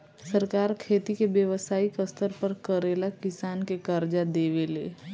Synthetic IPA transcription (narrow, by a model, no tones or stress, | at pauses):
səɾkaːɾkʰeːt̪ikebjəʋəsaːikəst̪əɾpəɾkəɾeːlakɪsaːnkekəɾd͡ʒad̪eːʋelḛː